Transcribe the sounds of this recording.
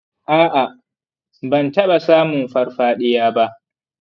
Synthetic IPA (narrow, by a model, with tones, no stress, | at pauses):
ʔaː˦ʔa˨ | bɐ˨ntɐ˦ɓa˨saː˦mʊ˨mɸɐ˦rɸaː˦ɗɪ˦jaː˦ba˦ʔ